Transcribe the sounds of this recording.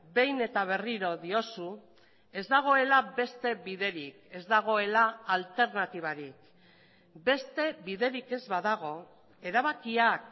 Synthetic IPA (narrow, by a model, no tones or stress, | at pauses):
be̞jne̞t̪aβ̞e̞riɾo̞ðio̞su | e̞zd̪aɣ̞o̞e̞labe̞st̪e̞βiðe̞ɾike̞zd̪aɣ̞o̞e̞laalt̪e̞ɾnat̪iβ̞aɾik | be̞st̪e̞βiðe̞ɾike̞zβaðaɣ̞o̞ | e̞ɾaβ̞akiak